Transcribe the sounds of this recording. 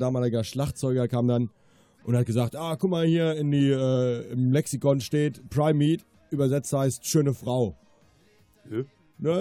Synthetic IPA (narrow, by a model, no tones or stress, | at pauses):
daːmaːlɪɡɐʃlaχtt͡sɔʏɡɐkʰaːmdan | ʔʊnthat̚ɡ̥əzaːktʔaːkʰʊkmaːlhiːɐɪndiːʔɛːɪmlɛksikɔnʃteːtpʁ̥aɪmːiːt | ʔyːbɐzɛt͡sthaɪstʃøːnəfʁ̥aʊ | nə